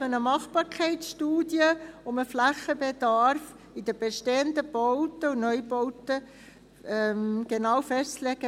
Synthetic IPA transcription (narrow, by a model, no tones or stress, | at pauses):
ənəmɑχb̥ɑːɾkʰɛɪtsʃtuːd̥jəʊməflæχəbed̪ɑɾf | id̥̪əb̥eʃteːənd̪əb̥ɔwtəunœʏbɔwtə | ɛmɡ̥enɑːwfɛst͡slɛɡ̥ə